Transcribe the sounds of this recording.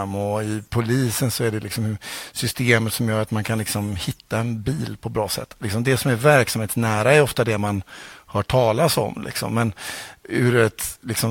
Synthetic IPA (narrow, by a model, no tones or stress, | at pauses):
mːɔɪpʰʊliːsənsɔæɖɛlɪksɔmhsʏst̪eːmət̪sɔmjœːɾat̪mankʰanlɪksɔmhɪt̪ʰːaɛnbiːlpʰɔbɾɑːsɛ̰t̪ːlɪksɔmd̪ɛsɔmæɾvæɾksamheːt̪snæːɾaɛɾɔft̪ad̪ɛmanhœːʈʰɑːlasɔ̰mlʔɪ̰ksɔ̰mːɛnʉɾɛt̪lɪksɔ